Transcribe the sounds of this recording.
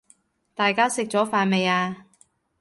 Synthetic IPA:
t̪aː˨jkaː˥sɪ˨k̚t͡sɔː˨˥faː˨˧nme˨jaː˧

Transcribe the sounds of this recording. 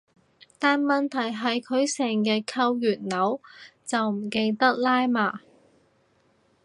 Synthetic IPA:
t̪aː˨nmɐ˨nt̪ʰɐ˨˩jɦɐ˨jkʰɵ˨˧ɥsɛː˨˩ŋjɐ˨kʰɐ˧wjyː˨˩t̚nɐ˨˥wt͡sɐ˨wm̩˨˩ke˧jt̪ɐ˥k̚laː˥jmaː˨˩

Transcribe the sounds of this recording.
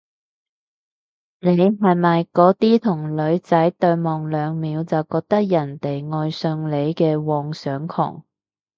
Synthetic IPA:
ne˨˧jɦɐ˨jmɐ˨jkɔː˨˥t̪iː˥t̪ʰʊ˨˩ŋlɵ˨˧ɥt͡sɐ˨˥jt̪ɵ˧ɥmɔː˨ŋlœː˨˧ŋmiː˨˧wt͡sɐ˨wkɔː˧k̚t̪ɐ˥k̚jɐ˨˩nt̪e˨jŋɔː˧jsɵ˧ŋle˨˧jkɛː˧wɔː˨ŋsœː˨˥ŋkʰɔ̰ː˨˩ŋ

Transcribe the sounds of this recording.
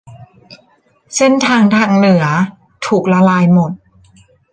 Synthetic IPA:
se˥˩nt̪ʰaː˧ŋt̪ʰaː˧ŋnɯ˨˩˦ɐ | t̪ʰuː˨˩k̚la˧laː˧jmo˨˩t̪̚

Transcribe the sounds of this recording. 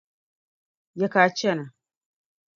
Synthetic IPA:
ja˦ka˨t͡ʃa˦˨na˨

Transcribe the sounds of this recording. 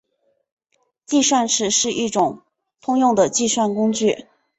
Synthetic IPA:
t͡ɕi˥˧ʂwa˥˩nʂʰɻ̩˨˩ʂɻ̩˥˧ʔi˥˩ʈ͡ʂʊ˨˩˦ŋ | t̪ʰʊ˥ŋjʊ˥˩ŋd̪ə˩t͡ɕi˥˧ʂwa˥˩nkʊ˥ŋt͡ɕy˥˩

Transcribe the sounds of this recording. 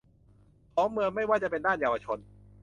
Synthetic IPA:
pʰɔː˨˦˥mɯ˧əŋma˥˩jwaː˥˩t͡ɕa˨˩pe˧ndaː˥˩njaː˧wa˧t͡ɕʰo˧n

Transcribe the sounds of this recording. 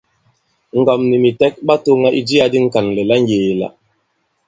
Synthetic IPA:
ŋ̩˨ɡɔ˨mni˨mi˨tɛ˦k̚ɓa˦to˦ŋa˦ʔi˦d͡ʒi˦a˦di˦ŋ̩˦ka˨nlɛ˨la˦ŋ˦jeː˨la̰˨

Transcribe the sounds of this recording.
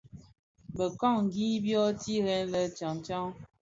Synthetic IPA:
bə˨ka˦˨ŋ˨ɡi˦bjɔ˦ti˦ɣɛ˦nlə˨t͡ʃa˨ŋt͡ʃa˦ŋ

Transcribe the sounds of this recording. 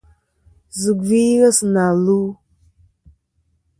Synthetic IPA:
zə˨ɡvi˦ɣa˦sna˨lu˦

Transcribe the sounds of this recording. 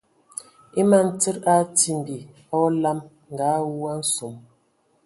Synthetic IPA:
i˦ma˨n̩˨ti˦ɾa˦ti˦˨m˨bi˨ | ɔ˦la˦m | ŋ̩˨ɡa˨˦wu˦a˦n̩˦su˨m

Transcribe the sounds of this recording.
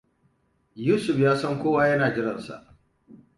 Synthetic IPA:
juː˦sʊ˨ɸjaː˦sɐ˦ŋkʷoː˦waː˦jɐ˦naː˨d͡ʒɪ˦ɾɐ˨nsa̰˨ʔ

